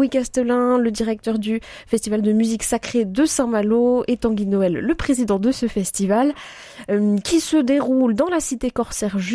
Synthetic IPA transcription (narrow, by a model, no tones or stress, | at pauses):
wikast̪əlɛ̃ləd̪iʁɛk̚t̪œʁd̪yfɛst̪ivald̪əmyziksakχed̪əsɛ̃maloet̪ɑ̃ɡʲinɔɛlːəpχezid̪ɑ̃d̪əsəfɛst̪ival | kʲʰisəd̪eʁuld̪ɑ̃lasit̪ekɔʁsɛʁʒ